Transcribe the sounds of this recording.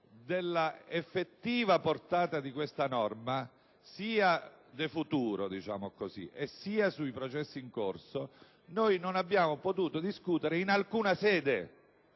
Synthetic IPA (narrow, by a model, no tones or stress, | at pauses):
d̪elːaefːet̪ːiːvaport̪aːt̪ad̪ikwest̪anɔrma | siːad̪efut̪uːɾod̪it͡ʃa̰ːmokozḭʔesːiːasuipɾot͡ʃɛsːiiŋkorso | nojnonabːjaːmopot̪uːt̪od̪iskuːt̪eɾeinalkuːnasɛːd̪e